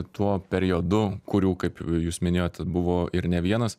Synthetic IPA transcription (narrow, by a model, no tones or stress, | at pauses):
t̪uɔpʲɛɾʲɪoːd̪ʊkʊɾʲuːkɐɪpjuːsmʲɪnʲeːjoːt̪ʲɛbʊʋoːʔɪɾnʲɛʋʲiɛnɐs